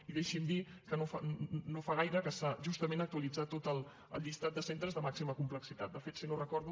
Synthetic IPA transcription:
iðeʃimd̪ikənofanofaɣ̞ajɾəkəsaʒust̪əmenək̚t̪uəlid͡zat̪ot̪əlˠ | ə̰lˠʎist̪at̪̚d̪əsent̪ɾəzðəmaksiməkumpləksit̪at̪̚d̪əfet̪sinorəkɔɾðu

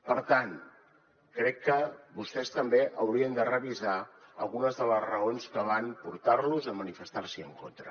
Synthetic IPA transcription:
pəɾt̪an | kɾɛkːəbust̪ɛst̪əmbeʔəwɾiənd̪ərəβizaəlˠɣunəzðələzrəonskəβanpuɾt̪aɾluzəmənifəst̪arsiəŋkont̪ɾə

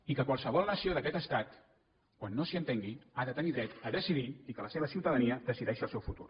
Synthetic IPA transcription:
ikəkwalˠsəβ̞ɔlˠnəsioðəkɛt̪əst̪at̪ | kwanːosiənt̪eŋɡiaðət̪əniðɾɛt̪əðəsiðiikələseβəsiuwt̪əðəniəd̪əsiðɛʃiəlˠsɛwfut̪ṵr

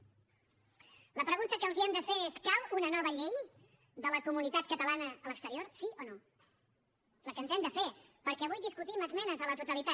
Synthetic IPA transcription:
ləpɾəɣunt̪əkəːlˠziɛmd̪əfeeskalunənɔβəʎej | d̪ələkumunit̪at̪̚kət̪əlanəːləkst̪əɾioɾsiʔono | ləkənzɛmd̪əfepəɾkɛəβujðiskut̪iməzmɛnəzələt̪ut̪əlit̪a

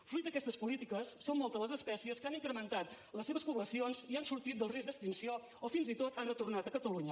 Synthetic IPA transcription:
fɾujt̪̚d̪əkɛst̪əspulit̪ikəsːommɔlˠt̪əzləzəspɛsiəskaniŋkɾəmənt̪at̪ | ləsːeβəspuβləsionziansuɾt̪it̪̚d̪əlˠrizd̪əst̪insio | ɔfinzit̪ot̪ʰanrət̪urnat̪əkət̪əluɲə

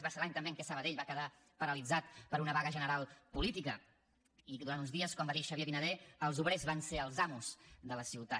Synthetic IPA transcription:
βaseɾlaɲt̪əmbeəŋkɛsəβəðeʎβakəða | pəɾəlid͡zat̪̚pəɾunəβaɣəʒənəɾalˠpulit̪ikə | iðuɾant̪unzðiəskɔmbaðiʃəβjeβinəðeəlˠzuβɾezβanseəlˠzamuz̥ðələsiwt̪a

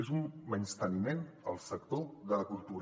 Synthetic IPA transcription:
ezumːənst̪ənmenə̰lˠsəkt̪oðələkulˠt̪uɾ

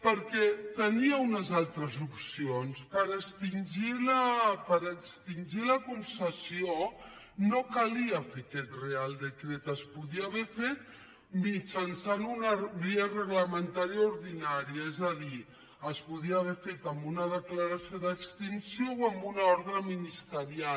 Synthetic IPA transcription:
pəɾkɛt̪əniəunəzalˠt̪ɾəzupsionspəɾəkst̪inʲʒiləpəɾəkst̪inʲʒiləkunsəsio | nokaliəfekɛt̪realˠd̪əkɾɛt̪əspuðiəːβɛfet̪̚ | mit͡ʃənsanunəβiərəɣləmənt̪aɾiauɾðinaɾiəezəði | əspuðiaːβɛfet̪əmbunəðəkləɾəsioðəkst̪insiowəmbunaɔɾɣɾəminist̪əɾia

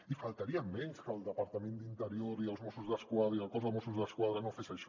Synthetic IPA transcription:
ifalˠt̪əɾiəmːɛɲskəlˠd̪əpəɾt̪əmend̪int̪əɾioɾiəlˠzmosuzðəskwaðɾəiəlˠkɔzəlˠmosuzðəskwað̞ɾənofesəʃ

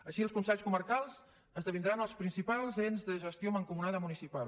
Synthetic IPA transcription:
əʃiəlskunsɛʎskuməɾkalˠz̥ | əzðəβind̪ɾanəlˠspɾinsipalˠzenzðəʒəst̪ioməŋkumunaðəmunisipalˠ

